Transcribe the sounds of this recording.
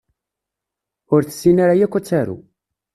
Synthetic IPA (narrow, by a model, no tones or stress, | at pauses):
ʊɾθə̥sːinaɾajækʷːæt͡sːaɾṵ